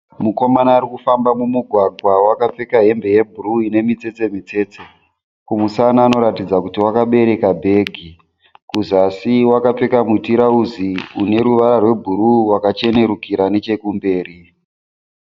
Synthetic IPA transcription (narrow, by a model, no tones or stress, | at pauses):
muko̞manaːrikufambamumuɡʱwaɡʱwawakap͡fe̞kaɦe̞mbe̞je̞bʱuruine̞mit͡se̞t͡se̞mit͡se̞ːt͡se | kumusanaːno̞ɾatid͡zakutiwakaɓe̞ɾe̞kabʱe̞ɡʱi | kuzasiwakap͡fe̞kamwitiɾauziune̞ɾuʋaɾarwe̞bʱuɾuwakat͡ʃe̞ne̞ɾukiɾane̞t͡ʃe̞kumbe̞ːɾi